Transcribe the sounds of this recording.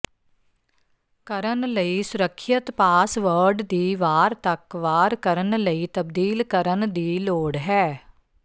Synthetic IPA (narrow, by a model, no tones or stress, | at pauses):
kəɾənləiːsʊɾəkʰːjət̪paːsʋəɾɖd̪iːʋaːɾt̪əkʋaːɾkəɾənləiːt̪əb̚d̪iːlkəɾənd̪iːloːɽɦɛː